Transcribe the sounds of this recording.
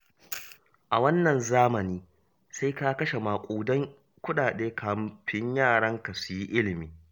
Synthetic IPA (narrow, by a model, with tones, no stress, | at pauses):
ʔa˨wɐ˦nːɐ˨nzaː˦mɐ˨niː˦ | sa˦jka˦kɐ˦ʃe˨maː˨kʷʼuː˨dɐ˦ŋ | kʷʊ˦ɗaː˨ɗeː˦kʰaː˨mɸɪ˦ɲjaː˦˨ɽɐ˦ŋka˨su˨ji˦ʔɪ˦lɪ˨miː˦